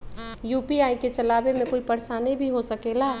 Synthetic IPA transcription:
juːpiaːiket͡ʃəlaːbemẽkoːipəɾsanəɦĩbʱiɦosəkelaː

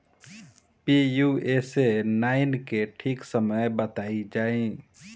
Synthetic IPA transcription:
pijuesenaːɪnkeʈʰiːksəməjbət̪aːid͡ʒaːẽ

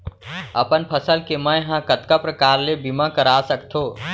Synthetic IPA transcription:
ə̰pənpʰəsəlkemə̃jɦãkət̪kapɾəkaːɾlebimãkəɾasəkt̪ʰoː

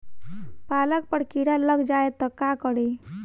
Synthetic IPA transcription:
palək̚pəɽkiɽaləɡd͡ʒaet̪əkakəɽe

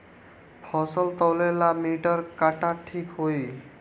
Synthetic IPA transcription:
pʰɔsɔlt̪ɔwlelamiʈɔɾkaʈaʈʰikɦoj

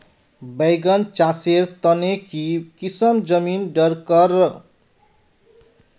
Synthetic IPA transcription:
bʌjɡʌnt͡ʃaseɾt̪ʌnekikisʌmd͡zʌminɖʌrkʌrʌr

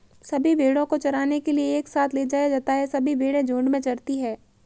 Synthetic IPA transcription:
sɐbʱibʱeːɽõkot͡ʃɐɾaːnekelieːksaːt̪ʰleːd͡ʒaːjad͡ʒaːt̪aɦɛsɐbʱibʱeːɽẽd͡ʒõːɳɖmẽt͡ʃɐɾt̪iɦɛː

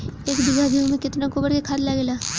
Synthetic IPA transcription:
eːkd̪ɪɡʱad̪ʱimẽkɪt̪nakobəɾkekʰaːd̪laɡelaː

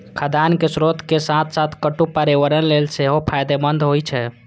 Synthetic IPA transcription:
kʰəd̪ankesɾot̪kesãt̪ʰsat̪ʰkəʈupəɾiʋəɾənlelseɦopʰajd̪emənd̪ʱɦojt͡ʃʰɛ

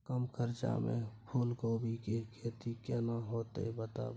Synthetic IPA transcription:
kəmkʰəɾt͡ʃa̰mḛ̃pʰuːlkoːbʱikekʰeːt̪ikjɛnaɦoːt̪ḛbət̪a̰

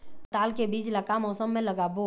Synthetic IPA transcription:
t̪aːlkebiːd͡ʒləkamɔːsəmːẽləɡaːbo

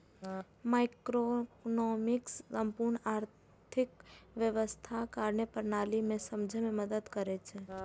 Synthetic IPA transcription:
maɪkɾonɔmɪkssəmpuɾɳaːɾ | t̪ʰɪkʋjəʋəst̪ʰakaɾnəpəɾnalimẽsəmd͡ʒʱmẽməd̪əd̪kəɾet͡ʃʰe

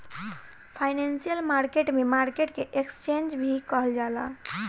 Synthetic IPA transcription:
pʰaɪnensijəlmaɾkeʈmemaɾkeʈkeʔekst͡ʃend͡ʒbʱikəɦəld͡ʒala

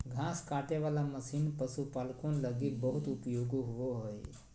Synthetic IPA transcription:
ɡʱãskaːʈeʋaːlaməsiːnpəsupalkonləɡibəɦut̪ʊpjoɡoɦʊʋoɦoj

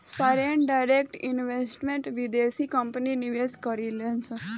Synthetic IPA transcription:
faɾeɳɖajɾek̚ʈinʋesʈmẽɳʈʋid̪esikəmpniniʋeskəɾilẽnsə

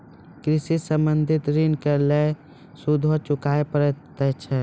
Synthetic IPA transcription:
kɾɪsisə̃mbə̃nd̪ʱɪt̪ɾinkəɾle | sud̪ʱot͡ʃʊkaːepɾt̪ət͡ʃʰɛ

